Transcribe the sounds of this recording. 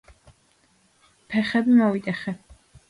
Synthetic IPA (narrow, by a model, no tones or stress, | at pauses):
pʰɛχɛbimɔvit̪ʼɛχɛ